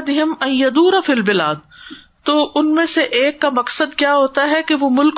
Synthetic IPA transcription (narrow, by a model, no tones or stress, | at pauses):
d̪ɪɦɪmɐnjɐd̪uːɾafilbɪlaːd̪̚ | t̪oːʔʊnmẽseʔeːkːamɐksəd̪kjaːɦoːt̪aɦɛkeʋomʊlk